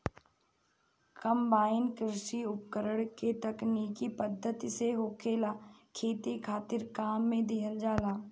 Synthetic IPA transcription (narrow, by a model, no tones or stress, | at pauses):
kɐmbaːɪnkɾɪʃiʊp̚kəɾəɽ̃ket̪ɐknikipəd̪ʱːət̪iseɦoːkʰeːlakʰeːt̪ikʰaːt̪ɪɾkaːmːẽd̪ɪɦəld͡ʒaːlaː